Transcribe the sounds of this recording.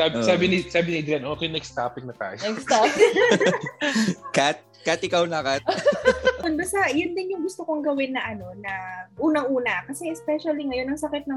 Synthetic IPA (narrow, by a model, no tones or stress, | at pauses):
sabsaːbɪnɪsaːbɪniɪd̪ɾanʔoːkɛjnɛkst̪aːpɪk̚nɐt̪a̰ːjkst̪a | kat̪̚ | kat̪ɪkawnɐkat̪̚ | pʊnd̪osɐjʊnd̪ɪnjʊŋɡʊst̪okoŋɡɐwɪnːɐʔɐno̞nɐʔuːnɐŋʔuːnɐkɐsɛɛspɛʃɐliŋɐjo̞nɐŋsɐkɪt̪̚nɐ